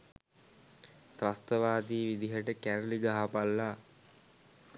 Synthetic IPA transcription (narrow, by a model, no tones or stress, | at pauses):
t̪ɾast̪əʋaːd̪iːʋid̪iɦəʈəkæɾəliɡaɦapalːa